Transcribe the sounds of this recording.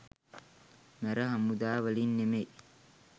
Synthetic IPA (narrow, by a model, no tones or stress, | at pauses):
mɐɾɐɦɐmʊd̪aːwɐliːnːɛmeːʔ